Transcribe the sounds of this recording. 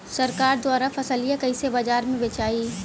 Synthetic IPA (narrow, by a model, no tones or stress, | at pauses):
sɐɾkaːɾd̪waːɾafʰɐsəlijakɐisebad͡ʒaːɾmẽbet͡ʃaːi